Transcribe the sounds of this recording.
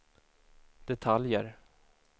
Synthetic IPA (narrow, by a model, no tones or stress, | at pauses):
d̪̥ɛt̪ʰaljə̰ɾ